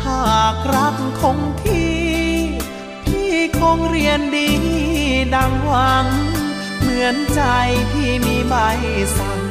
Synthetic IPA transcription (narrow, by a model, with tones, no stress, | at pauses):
pʰaː˧˩k̚ɾa˦˥˩kkʰo˧˥ŋt̪ʰiː˧˩˧ | t̪ʰiː˧˥˩kʰoː˧ŋɾi˧əndiː˧t̪ʰi˧daː˧ŋwa˧˥n | mɯ˨˩˦ənt͡ɕa˧jt̪ʰiː˧˩miː˧˥baː˧heː˧˩sa˧˦n